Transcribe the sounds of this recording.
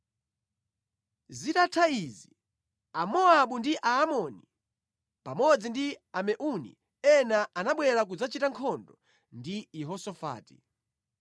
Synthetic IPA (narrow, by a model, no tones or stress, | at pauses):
zitatʰaizi | amɔaɓundiʔaːmɔni | pamɔd͡zindiamɛʔunḭ | ɛnaʔanaɓwɛɾak̬ud͡zat͡ʃitaŋkʰɔndɔ | ndiiɦɔsɔfa̰ːti̥